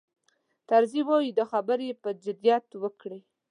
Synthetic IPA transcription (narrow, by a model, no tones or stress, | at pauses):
t̪aɾziwawid̪əxabəɾjepəd͡ʒʊd̪jat̪wəkɽi